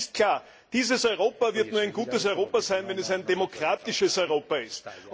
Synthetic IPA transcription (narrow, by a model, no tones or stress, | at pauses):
st̚kʰl̥aːɐ | d̥iːzəsɔʏʁoːpɐvɪɐtnuːɐæɪnɡ̥uːtəs̬ɔʏʁoːpɐzaɪnvɛnɛsæɪndemokʁ̥aːtɪʃəsɔʏʁoːpɐɪst